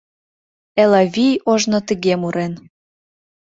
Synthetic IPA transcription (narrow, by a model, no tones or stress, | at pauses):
elɑvʲijoʒnot̪ə̆ɣemuɾen